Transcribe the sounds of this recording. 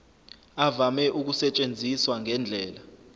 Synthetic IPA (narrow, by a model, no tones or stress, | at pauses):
avamɛʔuk̬usɛt͡ʃʼend͡zʱiswaŋɛnd͡ɮʱɛːla